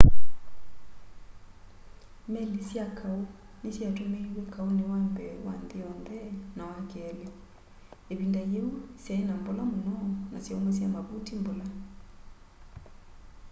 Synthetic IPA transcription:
mɛlisiakʰau | nesiatomewɛkaunewambɛwa̰ndeɔndɛnawakːlɛ | eβindajeusjaɛnambolamunɔnasjaumɛs̬iamaβutimbola

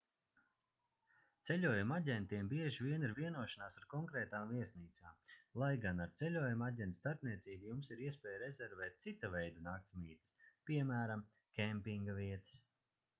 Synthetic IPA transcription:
t̪sɛlʲuɔjumaɟʲɛnt̪iɛmbiɛʒivʲiɛniɾviɛnuɔʃanaːsaɾkɔŋkɾɛːt̪aːmviɛsniːt̪saːmlˠajɡanaɾt̪sɛlʲuɔjumaɟʲɛnt̪st̪aɾpniɛt̪siːbujumsiɾiɛspʲɛːjɾɛzɛɾvɛːt̪̚t̪sit̪avɛjd̪anaːk̚t̪smiːt̪ɨ̥spiɛmæːɾam | kʲɛmpiŋɡaviɛt̪ə̥s

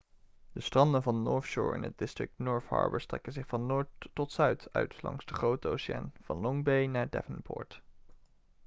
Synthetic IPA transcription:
d̥əstrɑndənvɑnːɔɹfʃʊ̰ːɹɪ̰nɦəd̚dɪstrɪk̚tnɔːɹfhɑ̰ɹbə̰ɹstrɛ̰kənzɪχfɑnːʊːɹtːɔtsœɥtʰœ̰ɥtlɑ̰ŋzdəχrowtəowsa̰ːnv̥ɑnlɔŋbejnaːɹdɛ̰vənnpʰɔ̰ːɹt

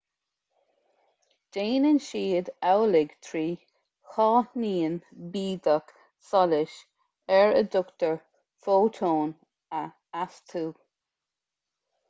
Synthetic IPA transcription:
d̥eːnɪnʃiːd̪awlɪɡt̪ʰɹiː | xɑːniːənbiːd̪ək | sɔlɪʃ | ɛɹə̰d̪ʊkt̪əɹ | foːt̪ʰoːn | ə | ast̪ʰuː

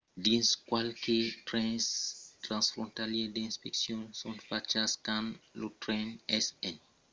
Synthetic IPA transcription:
dĩnskwalketɾɛ̃nst̪ɾãnsfɾɔ̃ntalɛdeĩnspɛksjɔ̃nsɔ̃ntfat͡ʃaskãnlotɾɛnɛsɛ̃n

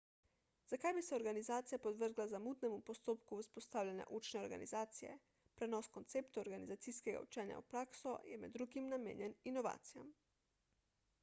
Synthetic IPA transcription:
z̥akajbisɛɔɾɡanizaːt̪sijapɔd̪ʋəɾɡlazamut̪nɛmupɔst̪oːpkuuspɔst̪aːwlʲanja̰ʔut͡ʃnɛɔɾɡa̰nizaːt̪sijɛ̰ | pɾɛnɔskɔnt̪seːpt̪uoɾɡanizat̪siskɛɡa̰ṵt͡ʃɛːnja̰ṵpɾaːksɔjɛmɛ̰d̪ːɾuɡimnamḛːnjɛninɔʋa̰ːt̪sija̰m

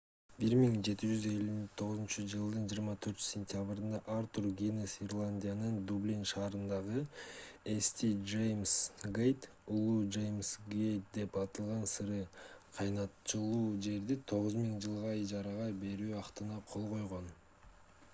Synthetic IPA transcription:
biɾmiŋd͡ʒe̞t̪id͡ʒyze̞lʲyt̪ʰo̞ʁʊzɨnt͡ʃɯd͡ʒɯlˠd̪ɯnd͡ʒiːɾmɑt̪ʰø̞ɾt͡ʃsʲenʲt̪ʲɪjaβɾɯnd̪ɑʔɑɾt̪uɾɡʲinesirlˠanʲdʲijanɯnd̪ublʲinʃɑːɾɯnd̪ɑʁɯ | esʲt̪ʲid͡ʒejmsɡejt̪ | ulˠud͡ʒejmsɡejt̪̚d̪e̞pɑt̪ɯlˠʁɑnsɯɾɯqʰɑjnɑt̪t͡ʃɯlˠuːd͡ʒe̞ɾd̪it̪ʰo̞ʁʊzmiŋd͡ʒɯlˠʁɑid͡ʒɑɾɑʁɑbe̞ɾyːɑqt̪ɯnɑqʰo̞lˠʁo̞jʁo̞n

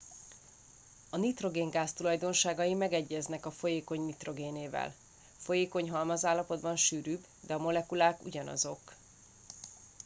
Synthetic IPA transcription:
ɒnit̪ro̞ɡeːŋɡaːst̪ulɒjd̪o̞nʃaːɡɒjimɛɡɛɟːɛznɛkɒfo̞jeːko̞ɲnit̪ro̞ɡeːneːvɛ̰l | fo̞jeːko̞ɲɦɒlmɒzaːlːɒpo̞d̪bɒnʃyːɾyːb | d̪ɛɒmo̞lɛkulaːkṵɟɒnɒ̰zo̞k

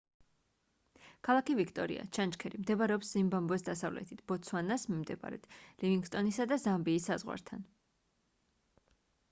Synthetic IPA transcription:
kʰalˠakivikʰt̪ʼɔɾḭa̰t͡ʃʰant͡ʃkʰɛɾimd̪ɛbaɾɛɔpszimbambɛsd̪asavlɛ̰t̪ʰit̪ʰb̥ɔt̪sʰwanasmimd̪ɛba̰ɾɛ̰t̪ʰlɛviŋɡst̪ʼɔnisad̪azambiːsːazʁwa̰ɾt̪ʰan

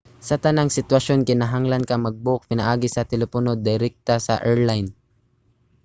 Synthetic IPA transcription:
sɐt̪ɐnaŋsɪt̪wɐʃo̞nkɪnaɦaŋlɐnkɐmɐɡ̚bʊʔk̚pɪnaʔaːɡɪsɐt̪ɛlɛponod̪ɪɾɛk̚t̪asɐ̰ʔɛɹlajn

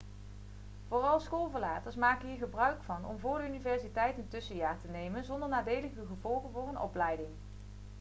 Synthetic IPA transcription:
v̥ʊːrɑlˠsχoːlˠvəɹlaːtəɹsmaːkənɦiːɹχəbrœɥkfɑnɔ̰mvʊːɹdəynivɛɹsitɛjtəntɵsəjaːɹtənejmənzɔndəɹnaːdejləχyχəvɔlˠχənvʊːɹənɔ̰plɛjdɪŋ

